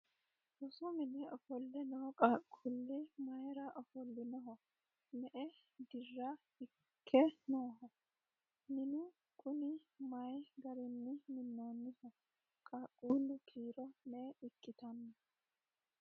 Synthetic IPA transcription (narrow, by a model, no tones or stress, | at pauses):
ʔɔsʊmɪnɪɔfɔlːɛnɔhɔkʼaːkʼːulːɪmɐjɾɐʔɐfɔlːɪnɔɦɔ | mɛʔɛ | d̪ɪrːa | ɪ | kʰːɛnoːɦɔ | nɪnʊ | kʼʊnɪmɐjɡɐɾɪnːɪmɪnːoːnːɪhɔ | kʼaːkʼːuːlːʊkʰiːɾɔnɛɪkʼːɪt̪ɐnːɐ